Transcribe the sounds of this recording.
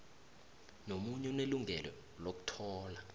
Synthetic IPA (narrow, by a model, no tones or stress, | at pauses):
nomuɲɛuneluŋɡʱɛlɔ̰ | lok̬u̥tʰɔːla